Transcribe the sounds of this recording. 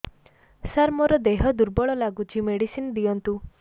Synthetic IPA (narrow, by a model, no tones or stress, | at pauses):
saɾmɔɾɔd̪eɦɔd̪uɾbɔɭɔlaɡut͡ʃʰimeɽisinɔd̪iɔnt̪u